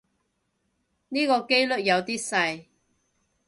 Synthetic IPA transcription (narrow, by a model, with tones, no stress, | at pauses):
niː˥kɔː˧ke˥jlɵ˥˨t̚jɐ˨˧wt̪iː˥sɐ˧j